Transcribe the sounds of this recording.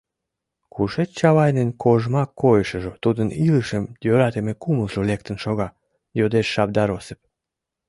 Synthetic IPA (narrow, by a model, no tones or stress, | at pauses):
kuʃet͡ɕɑβɑjnenkʰoʒmɑkːojəʃəʒot̪ud̪əniləʃəmd̪øɾɑt̪emekuməlʒolek̚t̪ənʃoɣɑ | jod̪eʃːɑb̚d̪ɑɾosep̚